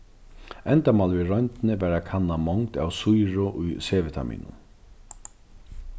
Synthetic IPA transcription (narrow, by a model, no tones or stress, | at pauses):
ɛnt̪amaːlviɾɔjnt̪ɪnɪvæːɾakʰanːamɔŋkt̪awsujɹʊʔujseːʋɪt̪ʰa̰mḭːnʊ̰n